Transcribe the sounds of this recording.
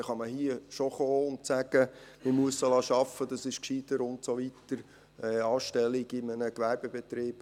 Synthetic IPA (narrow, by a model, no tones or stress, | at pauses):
χɑməɦiəʃoχoːʊnsæɡ̥əmɪmuəsəlɑʃɑfːəd̥̪ɑsɪʃkʃid̥̪əɾʊntsoʋit̪əɾ | ɛɑːʃtɛliɡɪmənəkʋæɾb̥ebɛt̪ɾiːb̥